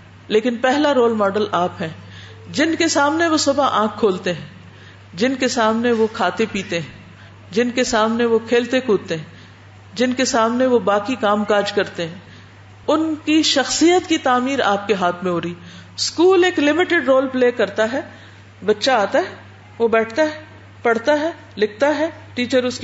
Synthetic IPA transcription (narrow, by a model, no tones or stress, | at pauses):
leːkɪnpɛɦlaɾoːlmɔːɖəlʔaːpɦɛ̃ː | d͡ʒɪnkesaːmneʋosʊbaʔãːkʰːoːlt̪eɦɛ̃ː | d͡ʒɪnkesaːmneʋokʰaːt̪epiːt̪eɦɛ̃ | d͡ʒɪnkesaːmneʋokʰeːlt̪ekʰuːt̪eɦɛ̃ | d͡ʒɪnkesaːmneʋobaːkikaːmkaːɾd͡ʒkɐɾt̪eɦɛ̃ː | ʊnkiʃɐxsijət̪kit̪aːmiːɾa̰ːp̚keɦaːt̪ʰmẽɦoːɾiː | skuːleːklɪmɪʈɪɖɾoːlpleːkɐɾt̪aɦɛː | bɐtːʃaaːt̪aɦɛ | ʋobɛːʈʰt̪aɦɛ | pɐɽ̤t̪aɦɛ | lɪk̚ʰt̪aɦɛ | ʈiːt͡ʃəɾʊsk